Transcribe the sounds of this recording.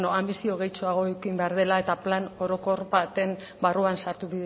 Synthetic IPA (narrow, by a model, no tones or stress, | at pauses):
noambisio̞ɣe̞jt͡soaɣ̞o̞ekimbe̞aɾð̞e̞lae̞t̪aplano̞ɾo̞ko̞ɾβat̪e̞m | baruansaɾt̪uβi